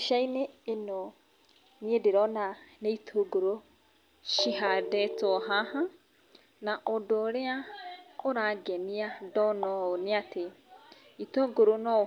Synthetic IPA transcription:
ʃaineeno | niedeɾɔnaneitʰoɡoɾo | ʃiɦadɛtɔɦaha | naʔɔdoːɾeaoɾaɡɛniadɔnɔoneate | itoːɡoɾonɔ

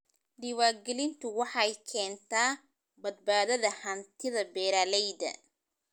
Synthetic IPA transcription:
ɖɪwaːɡɛlɪnt̪ʰʊwɑħɑjkʰɛːnt̪ʰaː | bɐd̪̚baːðɐðɐhɐnt̪ʰɪðɐbɛːɾaːlɛjdɐ̰

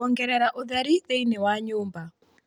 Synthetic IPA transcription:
ɔŋɡɛɾɛɾaʔuðaɾiðeinɛwaɲuːmba

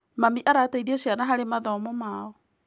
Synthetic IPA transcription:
mamiʔaɾataiðiɛɕjanaɦaɾemaðɔmɔmaːɔ

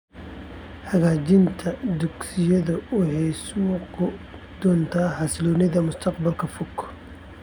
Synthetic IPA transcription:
ħɐɣaːt͡ʃɪnt̪ʰɐd̪ʊɡsɪjɐðʊwɑħɑjsuːqʊ | d̪̥ɔːnt̪ʰaːħɑslɔːnɪðɐmʊst̪ʰɑqbɐlkʰɐfʊkʰː

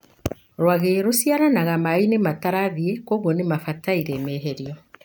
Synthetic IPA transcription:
ɾwaɣeɾosiaɾanaɣamainemataɾaðiekoɣwɔnemafataiɾɛmɛɦeɾiɔ

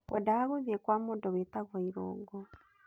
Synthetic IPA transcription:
wʔɔdahaɣoðiɛkwamoːndɔwetaɣwaiɾɔ̰ːŋɡɔ

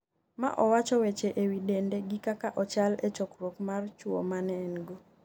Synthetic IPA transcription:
ma̰ʔɔwat͡ʃɔwet͡ʃeʔewidendeɡikakaʔɔt͡ʃalet͡ʃɔkɾokmart͡ʃwo̰manɛnɡo

